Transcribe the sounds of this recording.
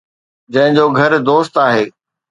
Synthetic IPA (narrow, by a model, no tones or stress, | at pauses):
d͡ʑɐ̃ɦɪ̃ɲd͡ʑoːɡʱɐɾd̪oːst̪aːɦeː